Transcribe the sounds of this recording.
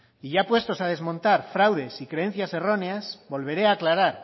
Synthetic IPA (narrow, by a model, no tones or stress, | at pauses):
iʝapwe̞st̪o̞sað̞e̞zmõ̞nt̪aɾfɾawðe̞sikɾe̞en̟θjase̞ro̞ne̞asbo̞lβ̞e̞ɾe̞aːklaɾaɾ